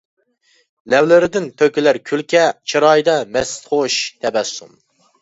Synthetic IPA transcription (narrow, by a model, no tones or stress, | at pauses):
lɛwlɪɾɪd̪ɪnt̪ʰøkʲɪlæɾkʲʰylkʲʰɛt͡ʃʰiɾɑjd̪ɑmɛst̪χoʃt̪ʰɛbɛsːṵm